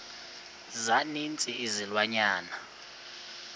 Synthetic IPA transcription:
zanint͡sʼiːzilwaɲaːna

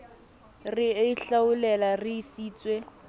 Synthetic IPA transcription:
rɪɬaʊlɛlarɪsiːt͡swe

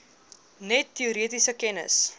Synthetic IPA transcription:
nɛtːiuɾiətisəkɛnə̰s

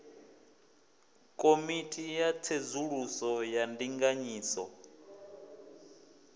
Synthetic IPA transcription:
kʼomitʼijat͡sʰed͡zuɺusɔjandiŋɡaɲiːsɔ

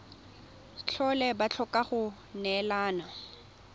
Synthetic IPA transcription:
t͡ɬʰɔlɛbat͡ɬʰɔkʼaχʊ | nɛlaːna

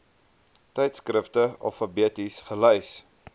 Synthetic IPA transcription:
tɛjtskɾəftəɑ̰fɐbiətisχəlœjs

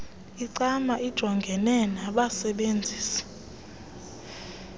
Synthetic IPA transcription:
iǀamaʔid̥ʒ̥ʱɔŋɡʱɛnɛnaɓasɛɓend͡zʱiːsḁ

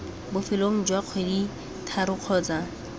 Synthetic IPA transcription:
bʊfɪloŋ̩d͡ʒwaq͡χʰwedi | tʰaɾʊq͡χʰɔːt͡sa

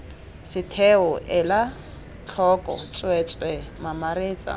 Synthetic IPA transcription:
sɪtʰɛʊʔɛla | t͡ɬʰɔkʼɔ̰t͡sʼwɛt͡sʼwɛmamareːt͡sʼa̰

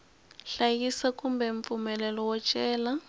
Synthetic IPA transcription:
ɬajisakʼumbɛɱp̪fumɛlɛlɔwɔt͡ʃʼɛːla

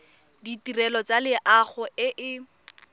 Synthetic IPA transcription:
ditirɛlɔt͡salɪʔaχʊɪʔɪ

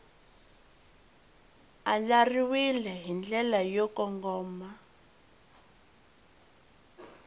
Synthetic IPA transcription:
alariwilɛɦind͡ɮɛlajɔkɔŋɡɔːma

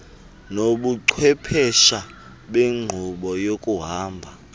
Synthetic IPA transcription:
noɓuǀʰwɛpʰɛʃa | ɓeŋ͡ǃʱuɓɔjokʼuɦaːmbʱa

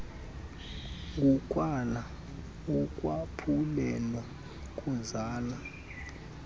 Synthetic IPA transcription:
ŋɡʱukʼwala | ukʼwapʰulɛlɛ | kʼuzaːla

